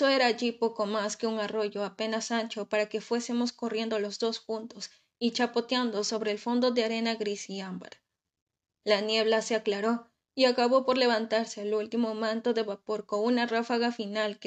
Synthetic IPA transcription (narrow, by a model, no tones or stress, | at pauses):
oe̞ɾaːʝipo̞ko̞maske̞uŋaro̞ʝo̞ape̞nasant͡ʃo̞paɾake̞fwe̞semo̞sko̞rje̞nd̪olo̞zd̪o̞sxunt̪o̞s | it͡ʃapo̞t̪jand̪o̞so̞βɾe̞ːlfo̞nd̪o̞ðeaɾe̞naɣɾisiamba̰ɾ | lanje̞β̞lase̞aklaɾo̞ | iakaβo̞po̞ɾle̞β̞ant̪aɾse̞alult̪imo̞mãnt̪o̞ðe̞βapo̞ɾkounarafaɣafinalk